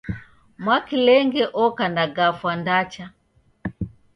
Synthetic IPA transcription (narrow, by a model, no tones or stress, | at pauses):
mwakilɛŋɡɛʔɔkandaɡafwandat͡ʃa